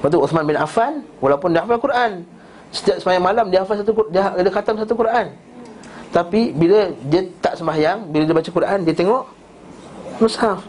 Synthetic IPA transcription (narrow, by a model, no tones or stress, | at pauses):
waʔt̪uuθmanbɪnafanwalawpʊndiafalkuɾʔan | sə̥t̪iaʔ̚səmajaŋmalamdiəafalsat̪ukdʔdəkat̪amsat̪ukuɾʔan | t̪apibilədiət̪aʔsəmbajaŋbilədiəbat͡ʃakuɾʔandiət̪eŋɔʔ | məsaf